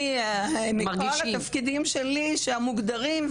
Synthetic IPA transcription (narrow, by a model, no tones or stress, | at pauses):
maʁɡioʃlaafkid̪imʃeliʃeamuɡd̪aʁimv